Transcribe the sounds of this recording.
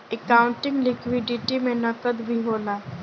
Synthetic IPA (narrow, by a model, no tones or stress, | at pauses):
ekaːʊ̃ɳʈɪ̃ŋɡlɪkwɪɖɪʈimẽnɐkəd̪bʱiɦoːlaː